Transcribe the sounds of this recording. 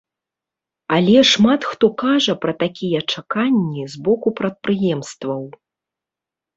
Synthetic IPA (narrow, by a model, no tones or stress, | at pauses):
ɐlʲɛʂmat̪xt̪ɔkaʐɐpɾɐt̪akʲijɐt͡ʂakanʲːizbɔkupɾɐt̪̚pɾɨjɛmst̪vɐw